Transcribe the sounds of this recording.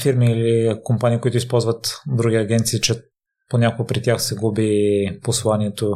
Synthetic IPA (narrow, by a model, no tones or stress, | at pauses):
fiɾmiːlikompanʲiːkoit̪ʊispɔlˠzvət̪d̪ɾuɡʲiɐɡʲɛnt̪siːt͡ʃɛ | ponʲakoɡəpɾit̪ʲjaxsɛɡubiposlˠaniɛt̪o